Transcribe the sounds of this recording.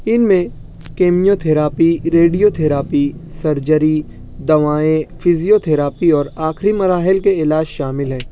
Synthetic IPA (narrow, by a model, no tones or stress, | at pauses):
ɪnmẽ | keːmijot̪ʰeːɾaːpiɾeːɖijot̪ʰeːɾaːpisɐɾd͡ʒəɾi | d̪ɐʋaːẽfʰɪzijot̪ʰeːɾaːpiɔːɾaːxɾimɐɾaːɦɪlkeɪlaːd͡ʒʃaːmɪlɦɛ̃ː